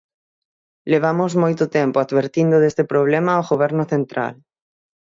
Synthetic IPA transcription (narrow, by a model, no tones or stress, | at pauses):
leβ̞amʊzmojt̪ʊt̪ɛmpʊad̪βeɾt̪ind̪ʊðest̪ɪpɾoβ̞lɛmaoɣoβɛɾnʊθent̪ɾa̰l